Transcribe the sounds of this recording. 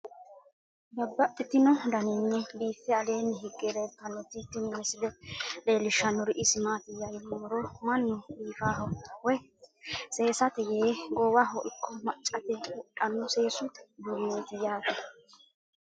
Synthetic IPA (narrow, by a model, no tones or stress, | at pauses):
bɐbːɐt̪ːɪt̪ːɪnɔd̪ɐnɪnːɛbiːfːɛɐleːnːɛɦɪɡːɛɾetːɐnːɔt̪ːɪt̪ːɪnɪnːɛsɪlɛleːlɪʃːɐnːɔɾɪʔɪsɪmaːt̪ɪjajɪmːɔɾɔmɐnːʊiːfaːɦɔwɛ | se̞ːsɐt̪ɛjeːɡɔwaɦɔʔɪkʰːɔmɐt͡ʃʼːɐt̪ɛwʊᶑʼɐnːɔse̞ːsʊt̪ɛ̥d̪umːeːt̪ɪjaːt̪ɛ